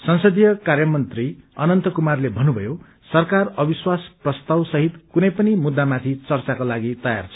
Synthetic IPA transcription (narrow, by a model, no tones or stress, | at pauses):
sʌnsʌd̪ijʌkarjʌmʌnt̪riʌnʌnt̪ʌkumarlebʱʌnubʱʌjo | sʌrkarʌbiswasprʌst̪awsʌɦit̪kunʌjpʌnimud̪ːamat̪ʰit͡sʌrt͡sakolaɡit̪ʌja̰rt͡sʰʌ̥